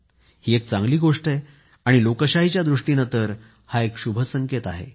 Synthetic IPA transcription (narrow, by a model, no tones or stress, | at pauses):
hiːek̚t͡sãŋɡliːɡoʂʈe | aɽ̃ilokəɕaɦit͡ɕjad̪ɾuʂʈiːnət̪əɾ | haekɕubʱəsəŋket̪aɦḛ